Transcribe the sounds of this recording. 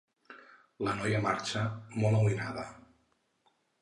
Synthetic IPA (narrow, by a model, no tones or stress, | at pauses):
lənɔjəmaɾt͡ʃəmɔlawinaðə